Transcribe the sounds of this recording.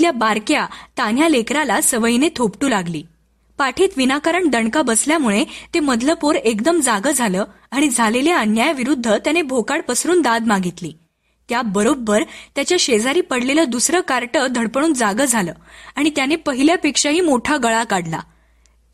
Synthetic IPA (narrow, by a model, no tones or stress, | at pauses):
ljabaɾkjat̪anjalekɾalasəʋəjinet̪ʰopʈuːlaɡliː | paʈʰiːt̪ʋinakaɾəɳd̪əɳkabəsljamuɭet̪eməd̪ləpoɾekd̪əmd͡zaɡəd͡zʱaləː | aɽ̃id͡zʱaleleanjajaʋiɾud̪ʱːət̪janebʱokaɽpəsɾuːnd̪ad̪maɡit̪liː | t̪jabəɾobːəɾt̪jat͡ɕjaɕed͡zaɾiːpəɽleləːd̪usɾəːkaɾʈəd̪ʱəɽpəɽuːnd͡zaɡəd͡zʱaləːaɽ̃it̪janepəɦiljapekʂaɦiːmoʈʰaɡəɭakaɽla̰